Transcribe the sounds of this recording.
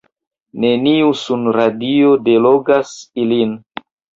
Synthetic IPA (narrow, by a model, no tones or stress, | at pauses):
ne̞niusunɾadiodeloɡasilin